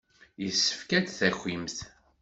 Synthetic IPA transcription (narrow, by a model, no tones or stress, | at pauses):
jəsːə̥fkæt͡sθæçːimθ